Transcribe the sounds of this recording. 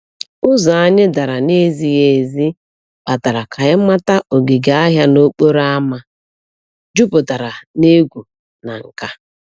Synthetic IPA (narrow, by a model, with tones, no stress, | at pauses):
ʊ˦za˨a˦ɲɪ˦da˨ɾa˨ne˦zi˨je˨zi˦ | k͡pa˨ta˨ɾa˨kʰa˨ɪ˦ma˦ta˦ʔo˨ɡe˨ɡa˨˦a˦ɦja˦no˦k͡po˦ɾa˦ma˦ | d͡ʒu˦pʊ˨ta˨ɾa˨ne˦ɡʷu˨ | na˨ŋ̩˨ka˦